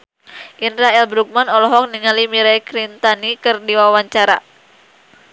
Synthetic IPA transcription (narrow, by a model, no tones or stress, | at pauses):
ʔinɾaɛlbɾuk̚manɔlɔɦɔk̚niŋalimiɾajkɾint̪anikɨrdiwawaɲt͡ʃaɾa